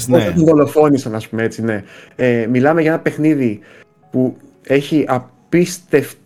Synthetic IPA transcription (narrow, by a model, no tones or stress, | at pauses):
soɐt̪onðo̞lo̞fo̞nisɐnɐspumeet͡sine̞emilɐmeʝɐe̞nɐpe̞xniði | pu | e̞çiʔɐpist̪e̞f